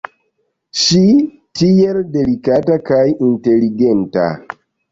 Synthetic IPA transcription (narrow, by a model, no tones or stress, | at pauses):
ʃi | tijeldelikatakajinteliɡenta̰